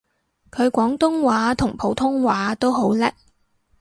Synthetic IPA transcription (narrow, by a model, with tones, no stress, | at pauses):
kʰɵ˨˧ɥkʷɔː˨˥ŋt̪ʊ˥ŋwaː˨˧˥t̪ʰʊ˨˩ŋpʰo˨˥wt̪ʰʊ˥ŋwaː˨˥t̪o˥wɦo˨˥wlɛ˥k̚